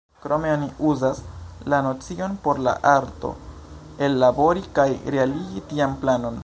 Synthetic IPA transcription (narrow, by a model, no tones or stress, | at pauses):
kɾo̞meaniuzaslano̞t͡sio̞npo̞ɾla̰ʔaɾto̞̰ | elːabo̞ɾikajɾe̞aliɡitianplano̞n